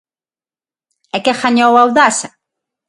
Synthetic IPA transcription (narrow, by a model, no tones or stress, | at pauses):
ɛkɛxaɲowawðasa